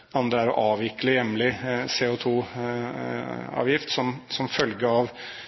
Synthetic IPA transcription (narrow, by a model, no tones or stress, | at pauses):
ɑnd̪ɾəæɾɔʔɑːʋjɪkləjɛmːlɪseːʊt̪ʰuː | ɑ̰ːʋjɪft̪sɔmsɔmfœlɡəɾɑːʋ